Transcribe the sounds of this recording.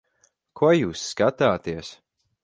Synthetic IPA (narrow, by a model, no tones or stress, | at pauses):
kʰuɔjuːsːkat̪aːt̪iəs